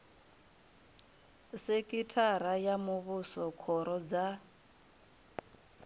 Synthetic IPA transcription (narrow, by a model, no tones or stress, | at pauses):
sekʼitʰaɾajamuβusɔkʰɔɾɔd͡za